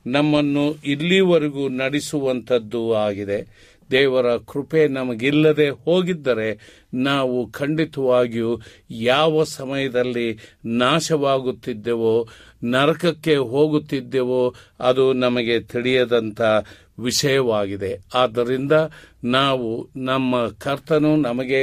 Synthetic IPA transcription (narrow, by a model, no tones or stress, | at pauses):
nɐmːɐnːuʔilːiʋɐɾeɡunɐɽisuʋɐnt̪ʰɐd̪ːuaːɡid̪e̞ | d̪ɛːʋɐɾɐkɾupe̞nɐmɐɡilːɐd̪e̞hoːɡid̪ːɐɾe̞ | naːʋukʰɐɳɖit̪ɐʋaːɡiju | jaːʋɐsɐmɐjɐd̪ɐlːinaːʃɐʋaːɡut̪ːid̪ːeʋo | nɐɾɐkɐkːe̞ɦoːɡut̪ːid̪ːeʋoɐd̪unɐmɐɡe̞t̪iɽijɐd̪ɐnt̪ʰɐ | ʋiʃɐjɐʋaːɡid̪e̞aːd̪ːɐɾind̪ɐnaːʋunɐmːɐkʰɐɾt̪ɐnunɐmɐɡe̞